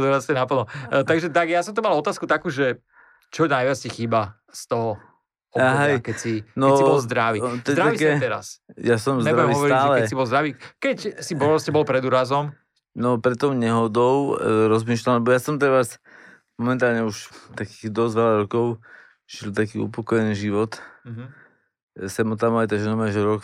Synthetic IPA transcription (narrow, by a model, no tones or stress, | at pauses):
d̪uɾast̪ɛnapl̩ˠnɔt̪aɡʒɛt̪aɡjasɔmt̪umalɔt̪aːskut̪akuːʒɛ | t͡ʃɔnajʋɪat͡scɛxiːba | st̪ɔɦɔ | ɔbɦɛjkɛcsinɔɛibɔlzd̪ɾaʋit̪ɛdɾaaʋiskɛɛt̪ɛɾa̰sjasɔmzɛɾaɛɛmiɦɔʋɔɾaːlɛkɛsibɔlzd̪ɾaʋiːkɛcsibɾɾɔscɛbɔlpɾɛd̪uːɾazɔm | nɔpɾɛt̪ːɔʊɲɛɦɔd̪ɔʊɾɔzmiːʃlallɛbɔjasɔmt̪ɛɾas | mɔmɛnt̪aːlɲɛuʃt̪akiːɣd̪ɔzʋɛlaɾɔkɔʊ | ʒ̥ilt̪akiːṵpɔkɔjɛniːʒiʋɔt̪ɦ | sɛmɔt̪̬amajt̪aʒɛnɔmaʒɛɾɔk